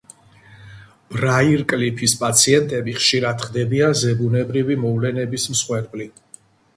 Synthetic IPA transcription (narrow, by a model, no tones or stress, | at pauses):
b̥ɾaiɾkʼlipʰispʼat̪sʰiɛnt̪ʼɛbiχʃiɾad̪χd̪ɛbianzɛbunɛbɾivimɔvlɛnɛbismsχwɛɾbʼli